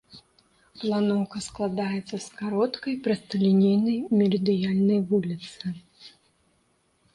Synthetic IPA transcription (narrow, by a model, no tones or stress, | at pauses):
plˠanɔwkɐsklˠad̪ajɛt̪sːɐskaɾɔt̪kɐjpɾɐst̪ɐlʲinʲejnɐjmʲɛlʲɨd̪ɨjalʲnɐjvulʲit̪sɨ